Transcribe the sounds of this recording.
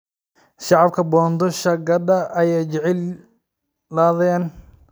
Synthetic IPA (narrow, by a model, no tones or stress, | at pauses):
ʃɑʕɑb̚kʰɐbɔːnd̪ɔʃɐɡɐdɐʔɐjɛjt͡ʃɛʕɪl | laːðɛːn